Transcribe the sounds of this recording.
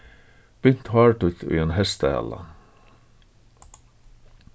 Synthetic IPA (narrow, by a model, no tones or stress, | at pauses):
b̥ʏn̥t̪hɑːɹʈʉt̪ʰḭːeːnhɛst̪əhæ̰lɑ̰